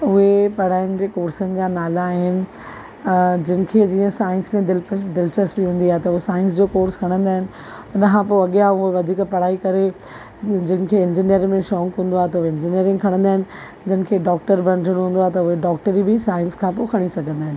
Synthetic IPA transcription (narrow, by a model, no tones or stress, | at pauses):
ʊɦepɐɽ̤aːɪnɪ̆d͡ʑeːkoːɾsənɪ̆d͡ʑaːnaːlaːɦɪnɪ̆ | d͡ʑɪnɪ̆kʰeːd͡ʑiːə̃saːɪ̃nsmẽd̪ɪld̪ɪlt͡ɕəsbiɦũːnd̪iaːɦet̪ɐʊɦesaːɪ̃nsd͡ʑoːkoːɾskʰɐɽ̃ə̃nd̪aːɦɪnɪ̆ | ʊnəkʰãpoɐɠijaʊɦeʋɐd̪ʱiːkpɐɽ̤aːikɐɾe | d͡ʑɪnɪ̆kʰeɪ̃nd͡ʑiːnijəɾmẽʃɔ̃ːŋkɦũːn̆d̪oaɦet̪ɐʊɦeɪ̃nd͡ʑinijəɾɪ̃ŋɡkʰɐɽ̃ə̃nd̪aːɦɪ̃nɪ̆ | d͡ʑɐnɪ̆kʰeːɖɔːk̚ʈəɾbʱɐ̃nʈʰəɽ̃ɦũːnd̪oaːɦet̪ɐʊɦeɖɔːk̚ʈəɾibɪsaːɪ̃nskʰãpokʰɐɽ̃isɐɡʱə̃nd̪aːɦɪ̃nɪ̆